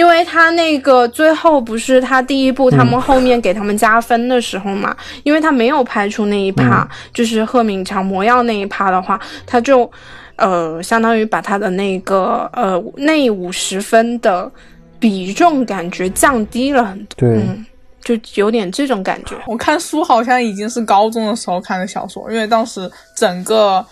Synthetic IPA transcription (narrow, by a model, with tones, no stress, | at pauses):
i˥nwe˥˩ɪt̪ʰa˥ne˥˩ɪɡə˩t͡swe˥˧ɪxo˥˩ʊp̬u˧˥ʂɻ̩˥˩t̪ʰa˥t̪i˥˧i˥pu˥˩t̪ʰa˥mə˨nxo˥˧ʊmjɛ˥˩nke˨˩ɪt̪ʰa˥mə˨nt͡ɕja˥fə˥nd̪ə˨ʂɻ̩˧˥xo˧ʊmɐ̰˩ | i˥nwe˥˩ɪt̪ʰa˥me˧˥ɪjo˨˩ʊpʰa˥ɪʈ͡ʂʰu˥na˥˧i˥˩pʰa̰˥t͡ɕjo˥˧ʊʂ̬ɻ̩˥˧xɤ˥˩mi˧˥ŋʈ͡ʂʰɑ˧˥ŋmwɔ˧˥jɑ˥˧ʊna˥˧ɪi˥˩pʰa˥d̪ə˨xwa˥˩t̪ʰa˥t͡ɕjo˥˩ʊ | ə˧ɕjɑ˥ŋt̪ɑ˥ŋy˧˥pa˨˩t̪ʰa˥d̪ə˨ne˥˩ɪɡə˩ə˧˨˩ne˥˩ɪu˨˩ʂɻ̩˧˥fə˥nd̪ə˨ | pi˨˩ʈ͡ʂʊ˥˩ŋka˨˩nt͡ɕɥɛ˧˥t͡ɕjɑ˥˧ŋt̪i˥lə˨xə˨˩nt̪wn̩˥˩ | t͡ɕjo˥˩ʊjo˧˥ʊt̪jɛ˨˩nʈ͡ʂɤ˥˩ʈ͡ʂʊ˨˥ŋka̰˨˩nt͡ɕɥɛ̰˧˥wɔ˨˩kʰa˥˩nsu˥xɑ˨˩ʊɕ̬jɑ˥˩ŋi˨˩t͡ɕi˥ŋʂɻ̩˥˩kɑ˥ʊt͡sʊ˥ŋd̪ə˨ʂɻ̩˧˥xo˥˧ʊkʰa˥˩nə˨˩ɕjɑ̰˨˩ʊswɔ̰˨˩ʔi˥nwe˥˧ɪt̪ɑ˥ŋʂɻ̩˧˥ | ʈ͡ʂə˨˩ŋɡə˧